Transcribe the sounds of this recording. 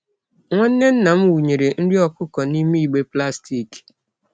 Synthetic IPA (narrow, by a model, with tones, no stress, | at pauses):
ŋʷɔ˦n̩˦ne˦n̩˦na˨m̩˦wu˨ɲe˨ɾe˨n̩˦di˦ɔ˦kʊ˦kɔ˨ni˦mi˦˨ɡ͡be˦pla˦sti˦˨k